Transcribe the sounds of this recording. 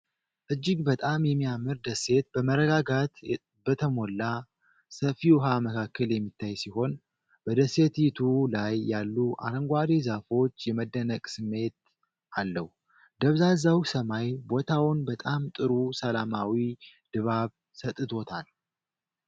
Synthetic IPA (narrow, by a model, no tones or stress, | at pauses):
ʔɨd͡ʒːɪɡbət̪ʼamjɛmːijamːɨɾd̪əsːe̞t̪̚b̥əməɾəɡaɡat̪ | bət̪ʰəmo̞lːa | səfiwɦaməkʰakʰːəljɛmːit̪ʰːajsiho̞n | bəd̪əse̞t̪jit̪ʰulajːalːuʔa̰ɾəŋɡʷad̪ezafo̞t͡ʃːjɛməd̪ːənəkʼsɨmːe̞t̪̚ | ʔalːəw | d̪əβzazawsəmajbo̞t̪ʰawʊnbət̪ʼamt̪ʼɨɾusəlamawid̪̥ɨβaβ | sət̪ʼːɨt̪ʰo̞t̪ʰal